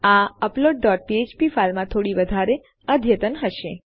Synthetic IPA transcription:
aəploɖ̚ːɔʈ̚piet͡ʃpifalmãt̪ʰoɽiʋəd̪ʱaɾe | əd̪ʱjət̪ənɦəʃe

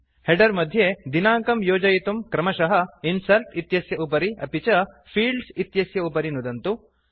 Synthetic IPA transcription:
heɖɐɾmɐd̪ʱjed̪inaːŋkɐmjoːd͡ʒɐjit̪umkɾɐmɐʃɐɦɐinsɐɾʈit̪jɐsjɐupɐɾiɐ̰pit͡ʃɐ | pʰiːɭɖsit̪jɐsjɐupɐɾinud̪ɐnt̪u

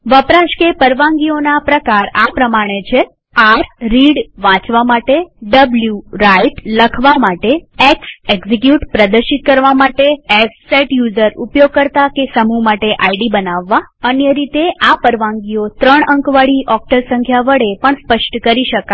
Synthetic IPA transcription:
ʋəpɾaʃkepəɾʋãŋɡionapɾəkaɾapɾəmaɽ̃et͡ʃʰe | aɾɾiɽʋãt͡ʃʋamaʈeɖəbljuɾaiʈləkʰʋamaʈeekseɡzikjuʈpɾəd̪əɾʃit̪̚kəɾʋamaʈeesseʈjuzəɾupjoɡ̚kəɾt̪akesəmumaʈeʔaiɖibənaʋːaənjəɾit̪eʔapəɾʋãŋɡiot̪ɾəɳəŋkʋaɭiʔɔk̚ʈəɾsəŋkʰjaʋəɽepəɳspəʃʈkəɾiʃəka

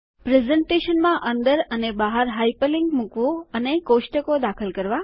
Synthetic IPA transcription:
pɾezəɳʈeʃənmãʔənd̪əɾənebaɦaɾɦajpəlɪŋɡmukʋũənekoʃʈəkod̪akʰəlkəɾʋa

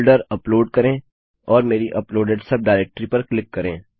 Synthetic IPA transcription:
ɖəɾɐploːɖkɐɾẽː | ɔːɾmeːɾiʔɐploːɖeɖsɐb̚ɖaːɪɾeːk̚ʈɾipɐɾklɪkːɐɾẽː

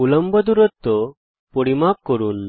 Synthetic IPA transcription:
uləmbəd̪uɾət̪ːo | poɽimap̚kəɾuːn

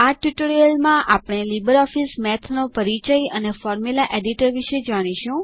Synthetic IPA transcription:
aʈʋiʈoɾijəlmãʔapɽ̃elibəɾɔfismɛt̪ʰnopəɾit͡ʃəjənefɔɾmulaʔeɖiʈəɾʋiʃed͡ʒaɽ̃iʃũ

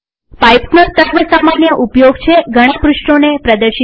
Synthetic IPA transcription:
pajpsnot̪əɾʋəsamanjəʔupjoɡt͡ʃʰeɡʱəɽ̃ãpɾuʃʈonepɾəd̪əɾʃi

